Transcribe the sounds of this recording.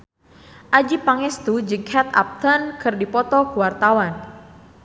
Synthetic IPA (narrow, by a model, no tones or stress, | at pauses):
ʔad͡ʒipaŋɛst̪ud͡ʒɨŋhʰɛt̪a̰p̚t̪ənkɨrdipɔt̪ɔkuwart̪awan